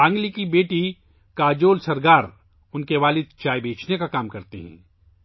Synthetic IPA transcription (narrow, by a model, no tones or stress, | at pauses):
ãːŋɡlikibeːʈi | kaːd͡ʒoːlsɐɾɡaːɾ | ʊnkeʋaːlɪd̪̚t͡ʃaːjbʱeːt͡ʃnekakaːmkɐɾt̪ḭɦɛ̰̃ː